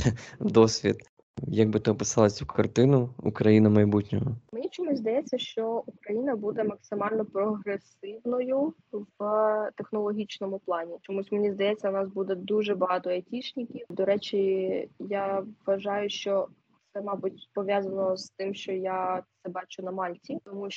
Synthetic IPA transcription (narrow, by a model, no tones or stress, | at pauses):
d̪ɔsʲʋʲḭt̪ | jɐɡ̚bɪt̪ɪɔpɪsɑlˠɐsʲukɐrt̪ɪnʊṵkɾɐjinʊmɐjbutʲnʲɔɦɔmenʲit͡ʃɔmusʲzd̪ɐjɛt͡sʲːɐʃt͡ʃɔukɾɐjinɐbud̪ɛmɐksɪmɑlʲnɔpɾɔɦɾesɪwnɔjʊʋt̪exnɔlˠɔɦʲit͡ʃnɔmʊplˠɑnʲit͡ʃɔmusʲmenʲizd̪ɐjɛt͡sʲːɐwnɑsbud̪ɛd̪uʒɛbɐɦɑt̪ɔetʲit͡ʃnɪkʲiwd̪ɔɾɛt͡ʃʲijaʋːɐʒɑjʊʃt͡ʃɔ | t̪sɛmɑbutʲpɔʋʲjazɐnɔst̪ɪmʃt͡ʃɔjat̪sɛbɑt͡ʃʊnɐmɑlʲtʲit̪ɔmu